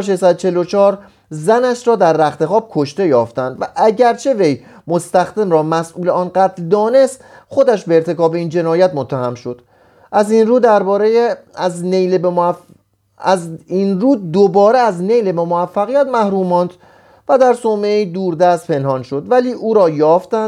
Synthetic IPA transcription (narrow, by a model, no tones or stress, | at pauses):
ʃ̬eʃsæd̪ot͡ʃʰe̞lot͡ʃʰɒːɾ | zænæʃɾɒːd̪æɾːæxt̪e̞xɒːb̥̚kʰo̞ʃt̪e̞jɒːft̪ænd̪væʔæɟæɾt͡ʃʰe̞ve̞j | mo̞st̪æxd̪emrɒːmæsʔuːleɒːnɢæːt̪ʰld̪ɒːne̞st̪ | xo̞d̪æʃbe̞ːɾt̪ʰe̞kɒːbe̞iːnd͡ʒe̞nɒːjæt̪mot̪ʰːæhæmʃo̞d̪̥ | ʔæziːnruːd̪æɾbɒːɾejznejl | zinruːd̪obɒːɾeæzne̞jlebemoæfːæɣijæt̪mæhɾuːmːɒːnd̪̥ | væd̪æɾsoːmeid̪uːɾd̪æst̪̚pʰe̞nhɒnʃo̞d̪væliːʔuːɾɒːjɒːft̪æn